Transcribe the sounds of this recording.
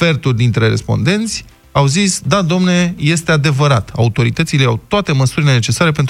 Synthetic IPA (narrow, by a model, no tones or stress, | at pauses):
fe̞rt̪urʲd̪int̪ɾe̞ɾe̞spo̞̰nd̪e̞nt̪sʲ | awzisd̪ad̪omne̞je̞st̪e̞ad̪e̞vəɾat̪a̰ut̪o̞ɾit̪ət̪sile̞awt̪oat̪e̞məsuɾʲile̞ne̞t͡ʃe̞saɾe̞p̬e̞nt̪